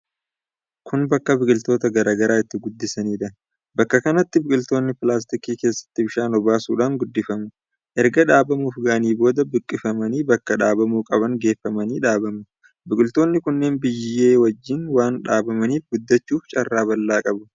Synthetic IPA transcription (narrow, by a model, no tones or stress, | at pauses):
kʰʊnbɐkːɐbɪkʼɪlt̪o̞ːt̪ɐɡɐɾaːɡɐɾaːɪt̪ːɪɡʊd̪ːɪsɐniːᶑɐ | bɐkːɐkɐnɐt̪ːɪbɪkʼɪlt̪o̞ːnːɪpɪlaːs̬t̪ɪkiːke̞ːsːɐ̥t̪ːɪbɪʃaːnɔbaːsuːᶑaːŋɡʊd̪ːɪfɐmʊ | ʔɛɾɡɐᶑaːbɐmuːfɡaːniːbo̞ːd̪ɐbɪkʼːɪfɐmɐniːbɐkːɐᶑaːbɐmuːkʼɐbɐŋɡe̞ːfːɐmɐniːᶑaːbɐmʊ | bɪkʼɪlt̪o̞ːnːɪkʊnːe̞ːnbɪjːe̞ːwɐd͡ʒːɪnwaːnᶑaːbɐmɐniːfɡʊd̪ːɐt͡ʃːuːft͡ʃʼɐrːaːbɐlːaːkʼɐbɐ̥